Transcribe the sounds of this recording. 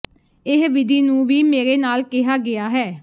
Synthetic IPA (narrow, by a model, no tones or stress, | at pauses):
ɪɦʋɪd̪ʱiːnũːʋiːmeːɾeːnaːlkɪɦaːɡɪjaːɦɛː